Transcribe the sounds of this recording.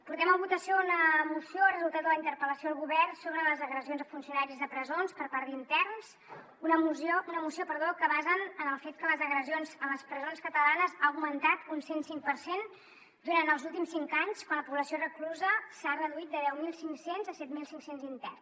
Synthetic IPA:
puɾt̪ɛməmbut̪əsiounəmusioarəzulˠt̪at̪d̪ələint̪əɾpələsioðəlɣuβɛrsoβɾələzəɣɾəzionzðəfunsiunaɾizðəpɾəzonspəɾpaɾd̪int̪ɛrns | unəmusounəmusiopəɾðokəβazənənəlˠfet̪̚kələzəɣɾəzionzəmləspɾəzonskət̪əlanəzaəwmənt̪at̪unsensiŋ̚pəɾsen | d̪uɾanəlˠzulˠt̪̬imsiŋkaɲskwanləpuβləsiorəkluzəsarəðuit̪̚d̪əðɛwmilˠsiŋksenzəsɛt̪milˠsiŋksenzint̪ɛrn

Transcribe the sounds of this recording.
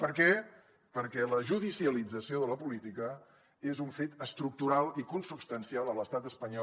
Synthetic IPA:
pəɾkɛ | pəɾkɛləʒuðisiəlid͡zəsioðələpulit̪ikə | ezuɱfet̪əst̪ɾuk̚t̪uɾalˠikunsupst̪ənsialˠələst̪at̪əspəɲɔ

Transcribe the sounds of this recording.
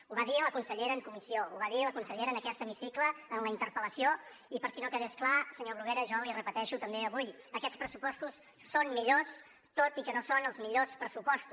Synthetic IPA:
uβaðiələkunsəʎeɾəːŋkumisiouβaðiələkunsəʎeɾənəkɛst̪əmisikləːnləint̪əɾpələsio | ipəɾsinokəðesklasəɲoβɾuɣeɾəʒɔlirəpət̪ɛʃut̪əmbeəβujəkɛt̪spɾəsupɔst̪usː | onmiʎos | t̪ot̪ikənosonəlˠzmiʎospɾəsupɔst̪u

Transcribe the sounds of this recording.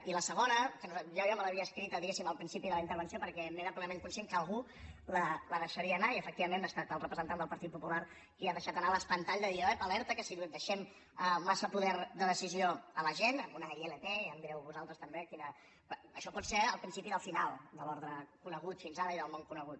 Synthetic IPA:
iləsəɣ̞onəkənuzʒojɔmələβiəːskɾit̪əðiɣesiməlˠpɾinsipiðələint̪əɾβənsiopəɾkɛmeɾəplenəmeŋkunsieŋkəəlˠɣu | lələðəʃəɾiəːnaiəfək̚t̪iβəmẽnbast̪at̪əlˠrəpɾəzənt̪and̪əlˠpəɾt̪it̪̚pupulaɾ | kiaðəʃat̪ənaləspənt̪aʎzəðiaɛpəlɛɾt̪əkəsid̪əʃɛm | əːasəpuðɛɾd̪əðəsizioələʒenəmunəielət̪eəmd̪ɾɛwβuzalˠt̪ɾəst̪əmbekinə | əʃɔpɔt̪seɾəlˠpɾinsipiðəlˠfinalˠd̪əlɔɾðɾəkunəɣ̞ut̪finzaɾəiðəlˠmoŋkunəɣ̞ut̪̚

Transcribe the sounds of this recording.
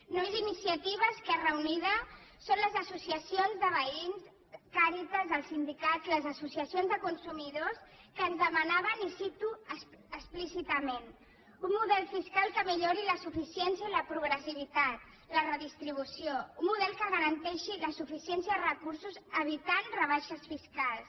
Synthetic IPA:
nomezinisiət̪iβ̞əskɛrəuniðəsonləzəsusiəsionzðəβəins | kaɾit̪əzəlˠsind̪ikat̪iləzəsusiəsionzðəkunsumiðos | kəːnzðəmənaβ̞ənisit̪uə | əsplisit̪əmen | umːuðɛlˠfiskalˠkəmiʎoɾiləsufisiɛnsjəiləpɾuɣɾəsiβit̪at̪̚ | lərəðist̪ɾiβ̞usioumːuðɛlˠkəɣəɾənt̪ɛʃiləsufisiɛnsjəðərəkuɾsuzəβ̞it̪anrəβaʃəsfiskalˠs

